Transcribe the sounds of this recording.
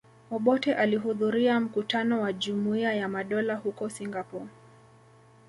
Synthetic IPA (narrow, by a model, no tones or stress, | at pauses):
ɔɓɔtɛʔaliɦuðuɾiam̩kutanɔwaʄumuiajamaɗɔlahukɔsiŋɡapɔ